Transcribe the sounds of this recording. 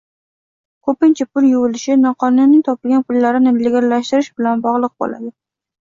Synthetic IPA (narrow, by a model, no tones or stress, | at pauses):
kʰɵpɪnt͡ʃʰapʊljʊwʊlɪʃɪnɒqʰɒnʊnnɪŋt̪ʰɒpɪlɡʲanpʰʊlːaɾɪnɪleɡʲaɾlaʃt̪ɪɾɪʃbɪlanbɒʁlˠɨq̚bo̰la̰d̪ɪ